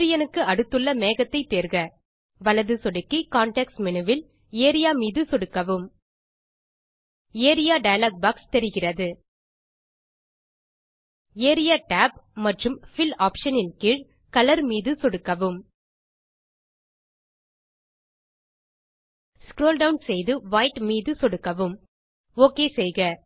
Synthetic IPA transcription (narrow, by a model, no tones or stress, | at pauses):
ɾɪjɐnɯkːɯɐɽɯt̪ːɯɭːɐmeːɣɐt̪ːɐɪt̪ːeːɾɣɐ | ʋɐɭɐðɯsɔɽɯkːikaːɳʈɛksmɪnɯʋɪl | eːɾɪjaːmiːðɯsɔɽɯkːɐʋɯm | eːɾɪjaːɖɐjɐlaːk̚bɐkst̪ɛɾɯɣɪrɐðɯ | eːɾɪjaːʈaːpmɐʈrɯmfɪlaːpʂɐnɪnkɪɻ | kɐlɐɾmiːðɯsɔɽɯkːɐʋɯm | skɾoːlɖɐʊnsɛjðɯʋɐɪʈmiːðɯsɔɽɯkːɐʋɯm | oːkeːsɛjɣɐ